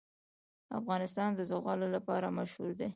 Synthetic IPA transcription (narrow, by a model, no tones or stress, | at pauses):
a̰fɣɑnɪst̪ɑnd̪əzoɣɑlolapɑɾamaʃhuɾd̪e